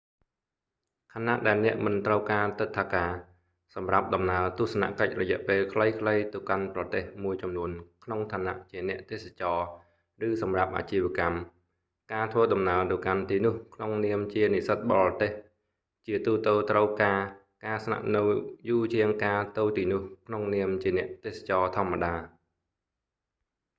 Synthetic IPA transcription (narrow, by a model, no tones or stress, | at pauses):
kʰana̰ʔɗaɛlnɛ̆əʔmɨnt̪rəwkaːt̪ɨt̪ʰːaːkaː | sɑmrap̚ɗɑmnaət̪uəhsana̰ʔkəc̚rɔjɛ̆əʔpeːlkʰləjkʰləjt̪ɨwkanprɑt̪eːhmuəjt͡ɕɑmnuənkʰnoŋt̪ʰaːna̰ʔt͡ɕiənɛ̆əʔt̪eːsḁt͡ɕɑː | rɨːsɑmrap̚ʔa̰ːt͡ɕiːʋɛ̆əkam | kaːt̪ʰʋəːɗɑmnaəlt̪ɨwkant̪iːnʊ̆əhkʰnoŋniəmt͡ɕiənisət̪̚ɓɑlt̪eːh | t͡ɕiət̪uːt̪əːt̪rəwkaː | kaːsna̰ʔnɨwjuːt͡ɕiəŋkaːt̪oːt̪iːnʊ̆əhkʰnoŋniəmt͡ɕiənɛ̆əʔt̪eːhsḁt͡ɕɑːt̪ʰŏəmːaɗaː